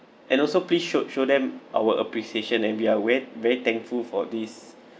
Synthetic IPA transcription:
ʔɛ̃nɔlsoplisʃoʃodɛ̃mʔa̰wəʔə̰pɹisieʃə̃nɛ̃nwiawɛvɛɹit̪ɛ̃ŋkfulfɔdis

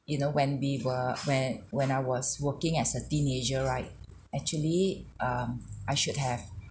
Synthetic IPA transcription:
junowɛ̃nwiwəwɛ̃nwɛ̃naɪwɔswəkɪ̃ŋɛtsətĩned͡ʒəɹaɪt̚ | ɛk̚t͡ʃuəliʔʌ̃mʔaɪʃʊd̚hɛv

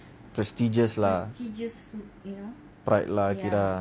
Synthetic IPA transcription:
pɾɛstid͡ʒəslatid͡ʒəsfut̚jno | pɾa̰jt̚lakida

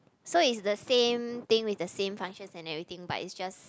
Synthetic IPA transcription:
soitsdəsẽmt̪ɪ̃ŋwiθdəsẽmfãŋʃə̃nsɛ̃nɛvɹit̪ɪ̃ŋba̰tḭtsd͡ʒas

